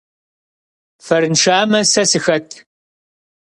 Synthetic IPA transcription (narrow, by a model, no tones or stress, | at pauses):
fɐɾɨnʂaːmɐsɐsɨxɐtʰ